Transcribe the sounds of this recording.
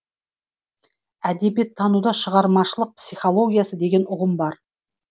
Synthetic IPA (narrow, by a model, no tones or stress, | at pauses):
æd̪e̞bijet̪ʰːɑnud̪ɑʃəʁɑɾmɑʃəlˠəq̚psijχo̞lˠo̞ɡʲijasəd̪e̞ɡʲe̞nʊʁəmbɑɾ